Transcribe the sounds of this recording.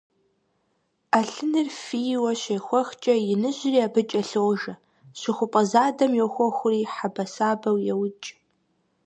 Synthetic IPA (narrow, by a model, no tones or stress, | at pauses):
aɬɨnɨrfijwɐɕexʷɔxt͡ʃʼɐjɪnɨʑɪriːabɨt͡ʃʼɐɬowʒɐ | ɕɪxʷʊpʼɐzaːdɐmjɛwxʷɔxʷʊriːħabɐsaːbɐwjɛwʊt͡ʃʼ